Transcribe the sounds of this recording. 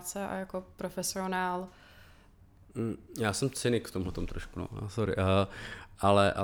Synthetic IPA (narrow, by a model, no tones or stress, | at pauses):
t͡sɛʔa̰jakopɾofɛsionaːl | m̩jaːsɛmt͡sɪnɪkft̪omɦlɛt̪omt̪ɾoʃkuno̰a̰soɾɪ̰ʔəʔalɛʔa